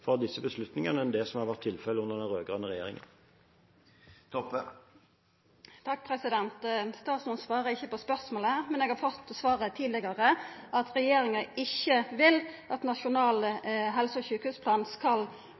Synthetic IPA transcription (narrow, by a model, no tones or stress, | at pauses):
fɔd̪ɪsːəbəslʉt̪nɪŋɑnəɛnd̪ɛsɔmhɑʁʋæʁt̪ʰːɪlfɛləʊnːəʁd̪ɛnʁøːɡʁɑnəʁɛjḛːʁɪ̰ŋə̰n | t̪ʰɔp | t̪ʰɑk̚ːpʰʁɛsɪd̪ɛnt̪st̪ɑːt̪smɑnsʋɑːʁəɪçːəpɔspœʁsmoːləhæːʁmɛnɛːɡhɑɾfɔt̪ːɔsʋɑːʁət̪ʰiːd̪lɪɡɑʁəʔɑt̪ɾɛjeːɾɪŋəɪçːəʋɪlʔɑt̪nɑʃʊnɑːlɦɛlsəɔçʉːkhʉːspʰlɑːnskɑl